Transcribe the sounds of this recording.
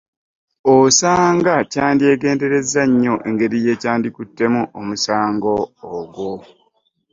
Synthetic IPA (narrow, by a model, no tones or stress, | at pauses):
osaːŋɡacaːndie̞ːɡe̞ːnde̞ɾe̞zaɲːo̞ʔe̞ŋɡe̞ɾije̞ːcaːndikutːe̞muʔomusaːŋɡo̞ːɡwo